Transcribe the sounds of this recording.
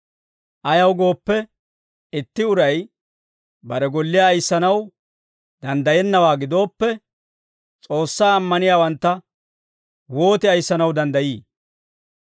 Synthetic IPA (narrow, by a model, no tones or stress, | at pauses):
ʔɐjɐwɡo̞ːpːɛ | ɪt̪ːɪʊɾɐj | bɐɾɛɡɔlːɪjaːjsːɐnɐw | d̪ɐnd̪ɐjɛnːɐwaːɡɪd̪o̞ːpːɛ | t͡sʼo̞ːsːaːmːɐnɪjaːwɐnt̪ːɐ | wo̞ːt̪ɪɐjsːɐnɐwd̪ɐnd̪ɐjiː